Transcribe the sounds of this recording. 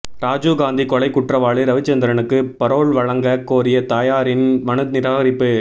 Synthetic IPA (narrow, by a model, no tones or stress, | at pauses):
ɾaːd͡ʒuɡaːnd̪ikɔlɐɪkːʊʈrɐʋaːɭiɾɐʋɪt͡ʃːɐnd̪ɐɾɐɳɯkːɯpɐɾoːɭʋɐɻɐŋɡɐkːoːɾɪjɐt̪aːjaːɾɪnʋɐnɯt̪nɪɾaːɣɐɾɪpːɯ